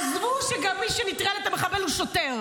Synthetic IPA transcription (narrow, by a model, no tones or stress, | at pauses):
zvuʃeɡamːiʃenit̪ʁalet̪ameχabeluʃot̪eʁ